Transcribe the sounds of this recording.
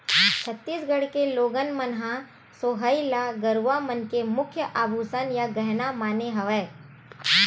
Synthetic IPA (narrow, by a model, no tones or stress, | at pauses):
t͡ʃʰət̪ːiːsɡəɽ̤keloːɡənmənɦã | soːɦəilaɡɐɾʋamənkemʊkʰjəʔaːbʱuːsənjaɡɛɦnamaːneɦɐʋɛː